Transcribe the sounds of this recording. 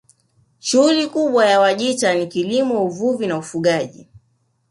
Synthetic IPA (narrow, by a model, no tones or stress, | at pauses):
ʃuhulikuɓwajawaʄitanikilimɔuvuvinaufuɠaʄi